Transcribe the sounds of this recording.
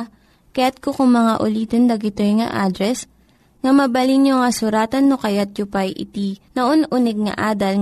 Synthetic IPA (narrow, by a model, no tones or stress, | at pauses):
kɐjat̪̚kokʊŋmɐŋa̰ʔʊliːt̪ond̪ɐɡɪt̪ojŋɐ̰ʔaːd̪ɾɛs | ŋɐmɐbɐliŋɲoŋɐsʊɾaːt̪ɐnːokɐjat̪̚t͡ʃʊpɐjʔɪ̰t̪inɐʔonʔʊnɛɡ̚ŋɐ̰ʔaːd̪ɐl